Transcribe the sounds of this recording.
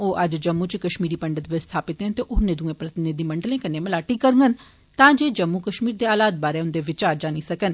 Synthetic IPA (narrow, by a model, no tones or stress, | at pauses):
oːʔəd͡ʒd͡ʒəmːũt͡ʃkəʃmiːɾiːpəɳɖət̪ʋɪst̪ʰaːpɪt̪ɦt̪eːʔʊnːẽd̪ũẽːpɾət̪ɪnɪd̪iːməɳɖəlẽːkənːẽːməlaːʈiːkəɾŋɡən | t̪ãːd͡ʒeːd͡ʒəmːukəʃmiːɾd̪eːaːlaːd̪̚baːɾeːʊnd̪eːʋɪt͡ʃaːɾd͡ʒaːniːsəkən